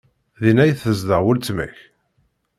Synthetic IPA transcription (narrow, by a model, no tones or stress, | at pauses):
ðinæjθəzd̪əʁwʊlt͡sːmæ̰ç